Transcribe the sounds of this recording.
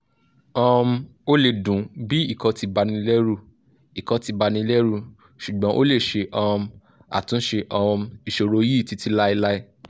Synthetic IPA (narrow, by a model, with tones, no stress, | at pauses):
ɔ̃˧m˧o˦le˧˨dũ˨˦bi˦i˦˨kɔ˨˧ti˧ba˧nĩ˧lɛ˦ɾu˦˨ | i˨kɔ˨˧ti˧ba˧nĩ˧˦lɛ˦ɾu˦˨ | ʃu˨ɡ͡bɔ̃˨˦ʔo˦le˦˨ʃe˧ʔɔ˧m | a̰˨tũ˨˦ʃe˧ʔɔ˧m˧i˨ʃo˧ɾo˨˧˦ji˦˨ti˨˦ti˦la˦i˧la˦i˦